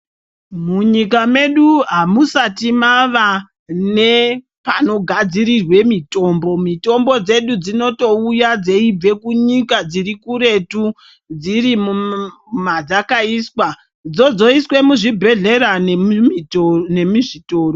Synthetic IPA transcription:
muɲikame̞ɗuɦamusatimaʋa | ne̞ | pano̞ɡʱad͡ziɾirwe̞mito̞ːmbo̞mito̞mbo̞d͡ze̞ɗud͡zino̞to̞ujad͡ze̞ib͡ve̞kuɲikad͡zirikuɾe̞tu | d͡ziɾimu | mad͡zakaiːswa | d͡zo̞d͡zo̞iswe̞muʐibʱe̞ɮe̞ɾa | ne̞miʐito̞ːro

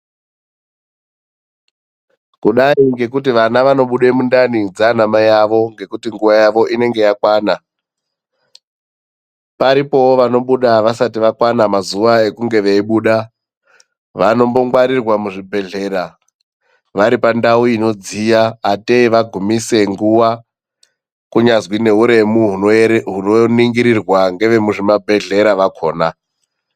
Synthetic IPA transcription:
kuɗaiŋɡe̞kut̬iʋanaʋano̞ɓuɗemundanid͡zanamajaʋo̞ŋɡe̞kutiŋɡuʋajaʋo̞ʔine̞ŋɡe̞jakwaːna | paɾipo̞woʋano̞ɓuɗaʋasatiʋakwanamazuʋae̞kuŋɡe̞ʋeiɓuːɗa | ʋano̞mbo̞ŋɡwaɾirwamuʐibʱe̞ɮe̞ɾa | ʋaɾipandauino̞d͡zijaːteiʋaɡʱumise̞ŋɡuwa | kuɲazwine̞ɦuɾe̞muɦuɦunoniŋɡiɾirwaŋɡe̞ʋe̞muʐimabʱe̞ɮe̞ɾaʋakʰo̞ːna

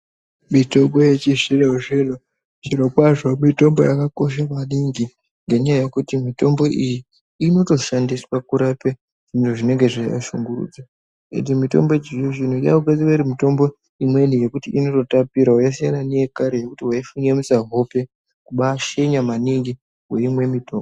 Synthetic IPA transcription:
mito̞mbojet͡ʃiʐireoʐelo | t͡ʃiɾokwaʐomito̞mbo̞jakako̞ʃ̬amaniŋɡi | ŋɡe̞ɲajajekutimito̞mbo̞ʔijiː | no̞to̞ʃandiswakuɾape | ʐ̥intoʐine̞ŋɡe̞ʐaja̰ʃuŋɡurṵːd͡za | ḛndimito̞̰mbo̞d͡ʒejoʐin̤uja̰ukad͡ziweɾimito̞mbo̞ | imwenije̞kutiʔino̞to̞tapiɾaujas̬ijananejekaɾeje̞kutiwaifuɲamisaɦo̞pe̞ | kuɓaːʃeɲamaniŋɡi | we̞imwe̞mito̞ːmbo

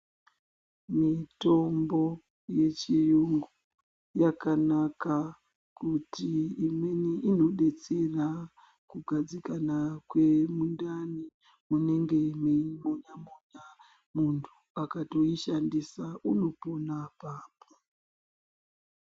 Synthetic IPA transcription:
mito̞mbo̞ | je̞t͡ʃijuŋɡu | jakanaka | kutiːmeneʔino̞ɗe̞t͡sera | kuɡʱad͡zikanakwe̞mundani | mune̞ŋɡe̞memoɲamoɲa | muntʰu | akato̞iʃandisauno̞po̞napaːpo̥

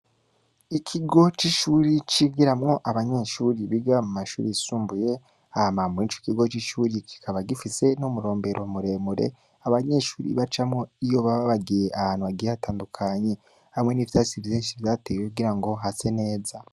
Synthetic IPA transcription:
ikʰiɡo̞t͡ʃiʃuːɾit͡ʃiɡiɾamŋo̞ʔaβaɲeʃuːɾiβiɡamumaʃṵːɾiisuːmbuje̞ | ahamamwiːnt͡ʃo̥kiɡo̞t͡ʃiʃuːɾikʰi̥kʰaβaɡifise̞nomuɾo̞ːmbe̞ɾʔo̞muɾe̞ːmuɾe̞̰ | aβaɲe̞ʃuːɾḭβat͡ʃamŋo̞ijo̞βaβaβaɡijeʔahaːn̥huβaɡijeβataːndukʰaɲe̞ | hamŋe̞nivitasivjiːnʃiβjaːtejekuɡiɾaŋɡo̞ɦase̞ne̞ːza

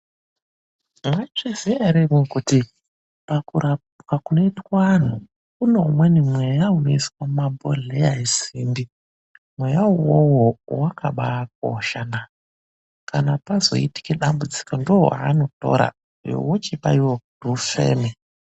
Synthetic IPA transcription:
mwat͡ʂeziaɾemokuti | pakua | kakunoitkwan̤u | kunomwenimwejaunoiswamabʱo̰ɮeaisiːmbi | mwe̞jawowowakʰaɓak̚oʃana | kanapazo̞̰iti̥keɗambud͡zi̥kondoaːno̞to̞̰ɾa̰ | jo̰wot͡ʃipa̰iwokudufḛːme

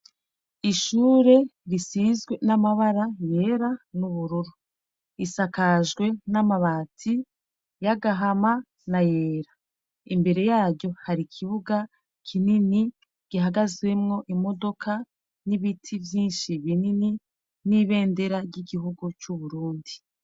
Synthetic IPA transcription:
iʃuːɾe̞ɾisizɡwe̞namaβaɾaje̞ɾanuβuɾuɾu | isakaʒɡwe̞namaβaːtʰi | jaɡaɦama | najeːɾa | imbe̞ɾe̞jaːɾɟo̞haɾikʰiβuɡa | kʰinini | ɡ̥iɦaɡazwe̞mŋo̞ʔimo̞do̞kʰa | niβitʰivjiːnʃiβinini | niβe̞ːnde̞ɾaɾɟiɡiɦuɡut͡ʃuβuɾuːndi

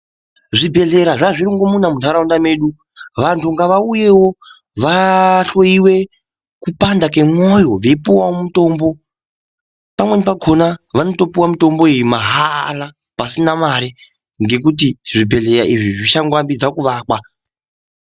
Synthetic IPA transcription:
ʐibʱe̞ɮe̞ɾaʐaʐiɾiŋɡo̞munamuntaɾaundame̞ɗu | ʋantʰuŋɡaʋauje̞wo̞ | ʋaɬoiwe̞ | kupandake̞mwojo̞ʋeipuwawomuto̞ːmbo̞ | pamwe̞nipaɡʱo̞naʋano̞to̞piwamito̞mbo̞ejumaɦala | pasinamaɾi | ŋɡe̞k̬ut̬iʐibʱe̞ɮe̞ɾaʔiʐiʐiʃaŋɡwambid͡zakuʋaːkwa

